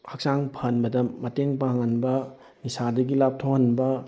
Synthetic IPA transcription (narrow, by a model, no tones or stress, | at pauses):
hak̚saŋpʰɐɐnbɐdɐmɐteŋpaŋɐnbɐ | nisadɐɡilap̚tʰohɐnbɐ